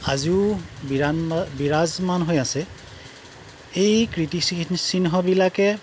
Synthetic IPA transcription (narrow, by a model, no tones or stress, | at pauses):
aziʊbabiɹazmanɦojasɛ | ejkɹitissinɦɔbilakɛ